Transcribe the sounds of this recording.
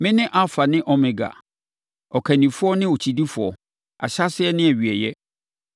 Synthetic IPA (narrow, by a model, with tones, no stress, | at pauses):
mɪ̃˦nɪ̃˦ʔa˦fa˨nɪ̃˦ʔɔ˦mɪ̃˨ɡa̰˨ | ɔ˨kʰa˨nĩ˨fʊ˦ɔ˦nɪ̃˦o˨t͡ɕʰi˨di˦fʊ˨ɔ˨ | a̰˨ɕa˦sɪ˦ɛ˦nɪ̃˦æ˨ɥi˨ɛ˨jɛ˦